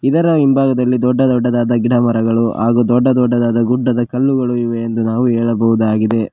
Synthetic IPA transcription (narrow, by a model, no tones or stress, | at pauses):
id̪ɐɾɐimbʱaːɡɐd̪ɐlːid̪ɔɖːɐd̪ɔɖːɐd̪aːd̪ɐɡiɽɐmɐɾɐɡɐɭuɦa̰ːɡuːd̪ɔɖːɐd̪ɔɖːɐd̪aːd̪ɐɡuɖːɐd̪ɐkɐlːuɡɐɭuiʋe̞ːnd̪unaːʋuɛːɭɐbɐʋud̪aːɡid̪e̞